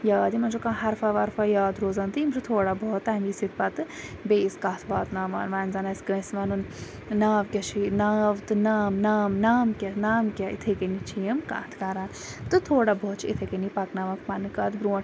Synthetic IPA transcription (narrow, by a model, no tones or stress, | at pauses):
jaːd̪imɐnt͡ʃʰokãɦɐɾfɐʋɐɾfɐjaːd̪ɾoːzaːnt̪imt͡ʃʰut̪ʰoːɽaboːt̪ːɐmisit̪̚pɐt̪ɨ | beːskaːt̪ʰʋaːt̪naːma̰ːnʋaːnzɐnɐskəːsʋɐnun | naːʋkʲɐt͡ʃʰinaːʋt̪ɨnaːmnaːmnaːmkʲɐnaːmkʲɐḭt̪ʰekenit͡ʃʰijəmka̰ːt̪ʰkaɾaːn | t̪ɨt̪ʰoːɽaboːt̪t͡ʃʰiit̪ʰekenipɐknaʋɐkpɐnɨkɐːt̪bɾuː